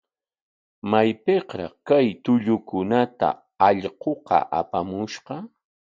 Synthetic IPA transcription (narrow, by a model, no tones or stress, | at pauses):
majpeqɾɑχkajt̪ʊʎʊkʊnat̪a̰ | ɑʎɢoqɑ̰ʔa̰pamʊʃqɑ